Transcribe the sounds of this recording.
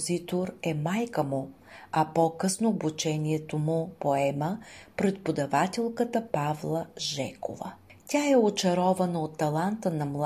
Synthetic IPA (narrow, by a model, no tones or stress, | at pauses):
zit̪oɾɛmajkəmʊ | ɐpɔkɤsnoːbut͡ʃɛnʲiɛt̪omʊpoɛməpɾɛt̪̚pod̪ɐvat̪ʲɛlˠkət̪əpavlˠəʒɛko̰və̰tʲaɛot͡ʃɐɾɔvɐnəot̪ːɐlˠant̪ənɐmlˠ